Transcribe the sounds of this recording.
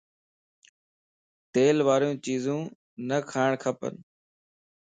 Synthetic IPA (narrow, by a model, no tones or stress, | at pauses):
t̪eːlʋaːɾijũːt͡ʃiːzũː | nəkʰaːɳkʰəpə̰n